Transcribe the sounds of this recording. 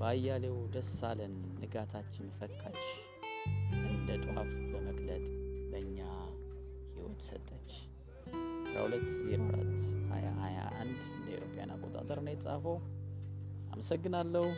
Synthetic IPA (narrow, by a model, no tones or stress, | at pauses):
bajːalewd̪əsalɨnːɨɡat̪ʰat͡ʃːɪnfəkʼːat͡ʃː | lət̪ʼha̰fbəməɡʼlət̪ʼbəɨɲːa | hiwɔ̰t̪sə̰t̪ʼːət͡ʃː | sɾa̰hulət̪ːzeɾoɾa̰t̪ːha̰jahaja̰ʔand̪ɨnd̪əiwɾopʼja̰na̰kʼot̪ʼa̰t̪ʼəɾɨnet͡sʼafəw | a̰məsəɡːɨnalːəhu